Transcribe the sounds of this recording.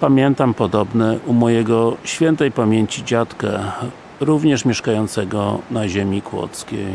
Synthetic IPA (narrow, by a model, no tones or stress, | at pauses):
pamʲjɛnt̪ampɔd̪ɔbnɛʔumɔjɛɡɔɕfʲjɛnt̪ɛjpamʲjeɲt͡ɕid͡ʑat̪kɛ | ɾuvɲɛʂmʲɛʂkajɔnt̪sɛɡɔnaʑemʲikwɔ̰t̪skʲḛj